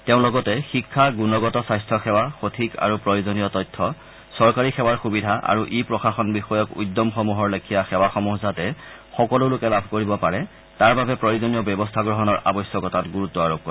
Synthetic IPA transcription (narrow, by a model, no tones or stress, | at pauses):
teʊ̃lɔɡɔtɛxikʰːaɡunɔɡɔtɔsajstʰɔxɛwaxotʰika̰ɹupɹɔjuzɔnijɔtɔjtʰːɔ | sɔɹkaɹixɛwaɹxubidʱaʔa̰ɹuʔipɹɔxaxɔnbixɔjɔkṵjdːɔmxɔmuɦɔɹlekʰijaxɛwaxɔmuɦzatɛ | xɔkɔlʊlʊkɛlabʱkoɹibɔpaɹɛ | taɹbabɛpɹɔjuzɔniɔbjɛbɔstʰaɡɹɔɦɔnɔɹʔa̰bɔjsjɔkɔtatɡuɹutːɔaɹob̚kɔ